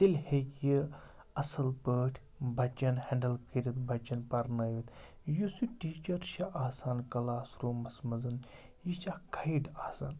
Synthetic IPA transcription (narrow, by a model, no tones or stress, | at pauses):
t̪ilʲhekji | ɐsɐlpəːʈʲʰ | bɐt͡ʃɐnhɛɳɖəlkʰiɾʲit̪bɐt͡ʃɐnpɐɾnɐːʋit̪ | jusuʈiːt͡ʃɐɾʃɐʔaːsaːnkɐlaːsɾuːmɐsmɐzɐn | jit͡ʃaːkʰɐiʈaːsa̰ːn